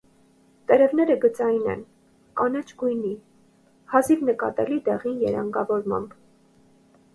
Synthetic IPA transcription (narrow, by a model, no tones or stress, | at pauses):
t̪ɛɾɛvnɛɾəɡət͡sɑjnɛ̰n | kɑnɛt͡ʃʰɡujni | hɑzivnəkɑ̰t̪ɛlid̪ɛʁinjɛ̰ɾɑŋɡɑvɔɾmɑ̰mb